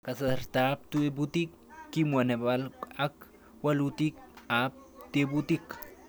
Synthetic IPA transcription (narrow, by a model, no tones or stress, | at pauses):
kasaɾt̪ap̚t̪uebut̪ikː | imwanebalak | walut̪ik̚ap̚t̪ebut̪ik